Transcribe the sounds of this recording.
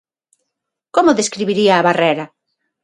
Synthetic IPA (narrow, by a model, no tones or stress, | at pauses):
komʊðeskɾiβiɾiɐːβareɾɐ